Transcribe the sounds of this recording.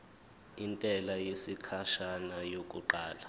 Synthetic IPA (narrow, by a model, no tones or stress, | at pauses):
intʼɛlajesikʰaʃanajokʼuǃaːla